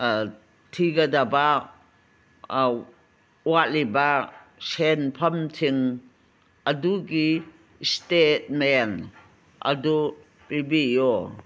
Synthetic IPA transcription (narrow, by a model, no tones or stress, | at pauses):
tʰiɡadaba | uwaliba | senpʰɐmtʰiŋ | ɐduɡi | stet̚men | ɐ̰du | pibijɔ